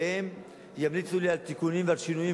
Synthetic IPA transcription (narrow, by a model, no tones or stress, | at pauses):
em | jamlit͡sulialt̪ikunimvealʃinujĩ